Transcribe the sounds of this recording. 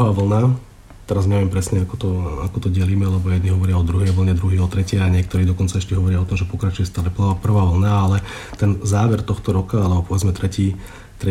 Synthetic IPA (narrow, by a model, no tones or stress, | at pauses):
aːʋl̩na | t̪ɛɾazɲɛʋɛmpɾɛsɲɛakɔt̪ɔakɔt̪ɔɟɛliːmɛlɛbɔjɛd̪niɦɔʋɔɾɪaɔd̪ɾuɦɛjʋl̩ɲɛd̪ɾuɦiːɔt̪ɾɛcɛjaɲɪɛk̚t̪ɔɾiːd̪ɔkɔnt͡saɛʃcɛɦɔʋɔɾɪaɔt̪ɔmʒɛpɔkɾat͡ʃujɛst̪aːlɛp̩apr̩ʋaːʋl̩naalɛ | t̪ɛnzaːʋɛɾt̪ɔxt̪ɔɾɔkaalɛbɔpɔʋɛd͡zmɛt̪ɾɛciː | t̪ɾɛ